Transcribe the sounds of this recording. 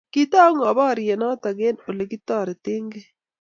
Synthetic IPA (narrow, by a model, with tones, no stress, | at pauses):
kit̪aː˦ŋɐ˨baː˦ɾi˨jɛ˨naː˦t̪ɐ˨ɡeː˦nʊ˨le˨ɡi˦t̪ːaː˨ɾe˨t̪eŋɡe˦